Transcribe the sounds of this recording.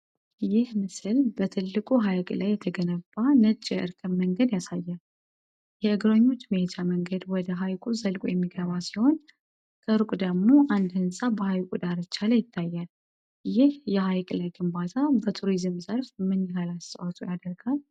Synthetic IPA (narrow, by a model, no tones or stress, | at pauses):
jɪhmɨsɨlbət̪ʰɨlːɨkʼuɦajkʼlajːɛt̪ʰəɡənəbːanət͡ʃʼːɛʔɨɾkʰɨmməŋɡəd̪jasajːal | jɛʔɨɡɾəɲːo̞t͡ʃːmet̪ʰaməŋɡəd̪wɔd̪əɦajkʼuzəlkʼujɛmːiɡəβasiho̞n | kʰəɾukʼd̪əɡmo̞ʔand̪hɨnsʼabəhajkʼud̪aɾɨt͡ʃːaləjɪt̪ʰːajːal | jɪhjɛɦajkʼlajɡɨmbat̪ʰabət̪ʰuɾizɨmzəɾfmɨnihalast̪ʼə̰wat̪ʼujad̪əɾɡal